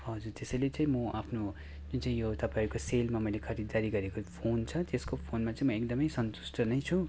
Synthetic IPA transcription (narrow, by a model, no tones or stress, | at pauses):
ɦʌd͡zurt̪esʌjlet͡sãĩmʌapʰno | ʌ̃t͡saĩjot̪ʌpãiɾukoselmamʌjlekʰʌɾid̪aɾiɡʌɾekopʰont͡sʰʌt̪eskopʰonmat͡sãĩmʌek̚d̪ʌmʌjsʌnt̪u̥sʈʰʌnʌjt͡sʰu